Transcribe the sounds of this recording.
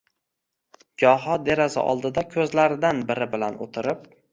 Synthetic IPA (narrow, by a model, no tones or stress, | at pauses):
d͡ʒɒɦɒd̪e̞ɾasɪ̰ʔɒ̰lˠd̪ɪd̪akʲʰɵzlaɾɪd̪anbɪɾɪbɪlano̰t̪ʰɪɾɪp̚